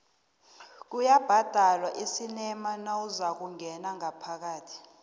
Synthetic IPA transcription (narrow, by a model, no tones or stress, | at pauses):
k̬ujab̥ʱad̥ʱalwaʔisinɛmanauzak̬uŋʱɛnaŋapʰak̬aːtʰi̥